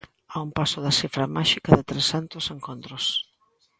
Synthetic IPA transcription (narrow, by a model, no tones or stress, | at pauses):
aumpasʊðɐsifɾɐmaʃikɐðɪt̪ɾesant̪ʊseŋkont̪ɾʊs